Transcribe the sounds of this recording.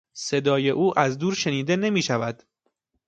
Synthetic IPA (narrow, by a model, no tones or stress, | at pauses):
se̞d̪ɒːje̞ʔuːʔæzd̪uːɾʃe̞niːd̪e̞ne̞miːʃævæd̪̥